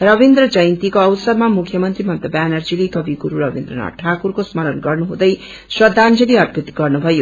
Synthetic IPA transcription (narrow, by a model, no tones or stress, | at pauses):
rʌbind̪rʌd͡zʌjnt̪ikoʌwsʌɾmamukʰjʌmʌnt̪rimʌnt̪ʌbanʌrd͡zilekʌbiɡuɾuɾʌbind̪rʌ̰na̰ʈʰakurkosmʌlʌnɡʌrnuɦũd̪ʌj | swʌd̪ʱːand͡zʌliʌt̪̚bʰʱut̪ːiɡʌrnubʱʌjo